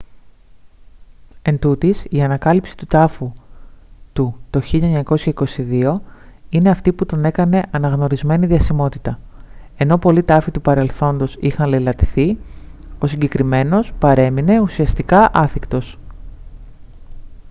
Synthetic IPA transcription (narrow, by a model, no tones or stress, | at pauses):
e̞nd̪ut̪isiɐnɐkɐlipsi̥t̪ut̪ɐfu | t̪ut̪o̞çiʎɐeɲɐko̞sçɐiko̞siðio̞ine̞ɐft̪iput̪o̞ne̞kɐne̞ʔɐnɐɣno̞ɾizme̞niðiɐsimo̞t̪it̪ɐ | e̞no̞po̞lit̪ɐfit̪upɐɾe̞lθo̞nd̪o̞sixɐnlelɐt̪iθi | o̞siɲɟe̞kɾime̞no̞spɐɾe̞mine̞usiɐst̪ikɐʔɐθikt̪o̞s